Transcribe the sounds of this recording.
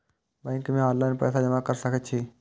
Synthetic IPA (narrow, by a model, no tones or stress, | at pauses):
bɛ̃ŋkmẽaːllanpɛ̰ːsad͡ʒɐmakəɾsəkʰət̪̚t͡ʃʰiː